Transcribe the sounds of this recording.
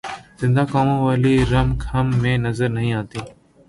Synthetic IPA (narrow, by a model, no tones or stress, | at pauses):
zɪ̃nd̪ʱaːkaːmõʋaːliːɾɐmkʰɐmːẽːnɐzəɾnɐɦĩːãːt̪iː